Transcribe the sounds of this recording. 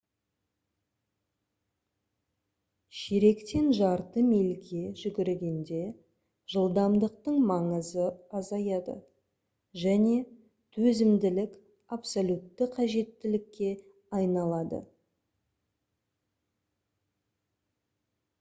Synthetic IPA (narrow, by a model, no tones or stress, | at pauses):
ʃeɾe̞kt̪e̞nʒɑɾt̪əmelɡʲe̞ʒʏɡʲɪɾɡʲe̞nd̪e̞ | ʒ̥əlˠd̪ɑmd̪əq̚t̪əɴmɑɴəzəɑzɑjɑd̪ə̰ | ʒæne̞ | t̪ʰɵzɪmd̪ɪlɪk | apsolʲut̪ːəqʰɑʒe̞t̪ːɪlɪkʲːe̞ | ɑjnɑlˠɑd̪ə̰